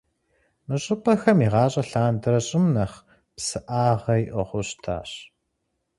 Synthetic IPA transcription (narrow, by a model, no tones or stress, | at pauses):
mɨɕʼɪpʰʼɐxɐmiːʁɑːɕʼɐɬaːndɨɾɐɕʼɪmnɐχ | psɨʔaːʁɐjʔʷɔʁʷʊɕtʰa̰ːɕ